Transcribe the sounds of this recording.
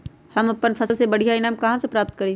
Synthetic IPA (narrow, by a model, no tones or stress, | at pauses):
hɐmɐpːənpʰɐslsebɐɽ̤ijaɪnaːmkɐɦãsepɾaːpt̪̚kɐɾiː